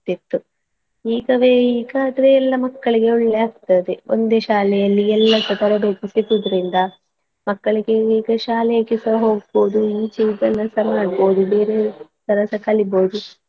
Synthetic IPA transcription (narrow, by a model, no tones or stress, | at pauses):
t̪it̪ːu | iːɡɐʋeiːɡɐːd̪ɐɾeɛlːɐmɐkːɐɭiɡe̞uɭːeaːɡ̚t̪ɐd̪eo̰nd̪e̞ʃaːlɛjɐlːiɛlːɐsɐt̪ɐɾɐbeːk̪isit̪ud̪ɐɾind̪ɐ | mɐkːɐɭiɡe̞iːɡɐʃaːlɛjɐkːisɐɦoːɡ̚bo̞ːd̪uiːt͡ʃiːɡɐnːɐsɐɾmaːɖbo̞ːd̪ube̞ːɾesɐɾɐsɐkɐliboːd̪u